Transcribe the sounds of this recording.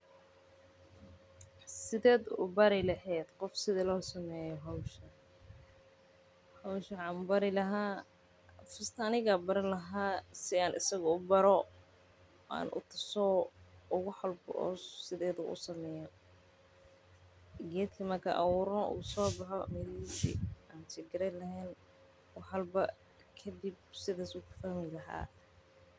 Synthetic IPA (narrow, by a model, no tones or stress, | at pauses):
sɪðɛːd̪ʊbɐɾɪlɐhɛːd̪̥qɔfsɪðɛlɔːsɐmɛːjɔɦɔwʃɐ | hɔwʃɐʕɑmbɐɾɪlɐɦaː | fɪst̪ʰɐːnɪɣɐbɐɾɪlɐɦaːsɪaːnʔɪ̰sɐɣɐʊbɐɾɔ | ʔa̰ːnʔʊ̰t̪ʰɐsɔʊɣʊħalbʔɔ̰ːsɪðɛːðʊʔʊ̰sɐmɛːjɐ | ɡɛːd̪kʰɐmɐrkʰa̰ʔɐwʊɾɔʊ̰ʊsɔːbɑħɔmɪðisḭaːnt͡ʃɪɡɪɾɛlɐɦɛːn | wɑħɐlbɐ | kʰɐd̪ib̚sɪðaːsuːkʰʊ̥fɐhmɪlɐɦa̰ː